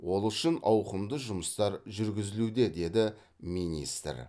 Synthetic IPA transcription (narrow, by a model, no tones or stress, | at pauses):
wo̞lˠʏʃənɑwqəmd̪əʒʊməst̪ɑɾʒʏɾɡʲɪzɪlud̪e̞d̪e̞d̪ɪ | minḭst̪ɾ